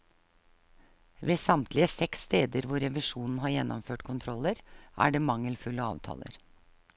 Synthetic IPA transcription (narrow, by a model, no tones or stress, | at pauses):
ʋeːsɑmt̪ʰlɪəsɛksːt̪eːd̪əɾʋʊɾɛʋɪʂuːnn̩ɦɑːɾjɛnʔɔmføːʈkʰʊnt̪ʰɾɔləɾʔæ̰ːɖeːmɑŋːəlfʉlːəɑ̰ːʋt̪ʰɑ̰ːlə̰ɾ